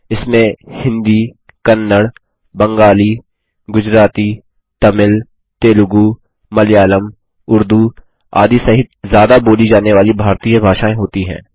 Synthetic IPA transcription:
ɪsmẽhɪ̃nd̪i | kɐnːəɽ | bɐ̃ŋɡaːliː | ɡʊd͡ʒɾaːt̪iː | t̪ɐmɪl | t̪eːlʊɡu | mɐlɪjaːləm | ʊɾd̪u | a̰ːd̪isɐɦɪt̪̚zjaːd̪aboːlid͡ʒaːneʋaːlibʱaːɾt̪iːabʱaːʃaːẽɦoːt̪iɦɛ̰̃ː

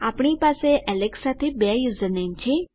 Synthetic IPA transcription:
aːpɽ̃ipaːseʔɛleksat̪ʰebjajuzənẽnt͡ʃʰi

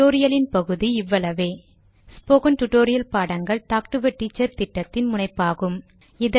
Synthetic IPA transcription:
oːɾɪjɐlɪnpɐɣɯðiɪʋːɐlɐʋeː | spoːkɐnʈʊʈoːɾɪjɐlpaːɽɐŋɡɐɭʈ̪aːk̚ʈɯʋɐʈːiːt͡ʃːɐɾt̪ɪʈːɐt̪ːɪnmʊɳɐɪpːaːɣɯm | ɪðɐ

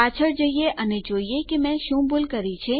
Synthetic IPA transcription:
at͡ʃʰəɾd͡ʒəieʔəned͡ʒoiekemɛ̃ʃũbolkəɾit͡ʃʰe

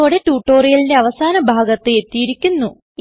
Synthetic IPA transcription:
oːɽe̞ʈuːʈːo̞ːrijɐlindeɐʋɐsaːnɐbʱaːɡɐt̪ːɨe̞t̪ːijiɾikʲːunːu

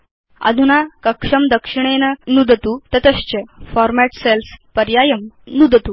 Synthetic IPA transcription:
ə̰d̪ʱunakəkʂəmd̪əkʂiɳ̃enənud̪ət̪ut̪ət̪əɕt͡ɕəfɔɾmæʈselspəɾjajəmnud̪ʱət̪u

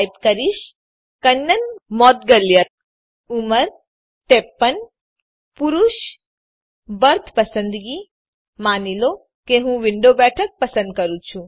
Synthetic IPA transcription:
jpkəɾiʃ | kɐnːənmɔːt̪ɡəljə | uməɾ | ʈeːpːən | puɾuʃ | bəɾt̪ʰpɐsə̃nd̪ɡi | maːnilo | keɦũʋɪɳɖobɛːʈʰək̚pɐsə̃nd̪̚kəɾut͡ʃʰũ

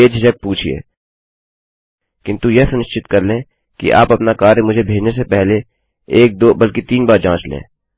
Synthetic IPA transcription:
eːd͡ʒʱɪʃɐk̚puːt͡ʃʰiḛː | kɪ̃nt̪ujɛɦsʊnɪʃt͡ʃɪt̪kɐɾlẽː | kḭʔa̰ːpɐpnakaːɾemʊd͡ʒʱebʱeːd͡ʒnes̬epɛɦle | eːk̚d̪oːbɐlkit̪iːnbaːɾd͡ʒãːt͡ʃlḛ̃ː

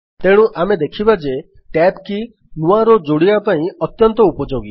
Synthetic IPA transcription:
t̪eɽ̃ũʔamed̪ekʰibad͡ʒe | ʈɛpki | nũaɾɔd͡ʒoɽibapaĩɔt̪jɔnt̪ɔupɔd͡ʒoɡi

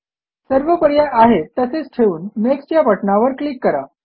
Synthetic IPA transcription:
səɾʋəpəɾjaʔaɦet̪ːəset͡sʈʰeuːnːekst͡ɕjapəʈnaʋəɾklikːəɾa̰

